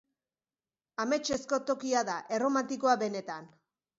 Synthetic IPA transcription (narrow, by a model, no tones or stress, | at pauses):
ame̞t͡ʃe̞sko̞t̪o̞kiaðaʔe̞ro̞mant̪iko̞aβe̞ne̞t̪an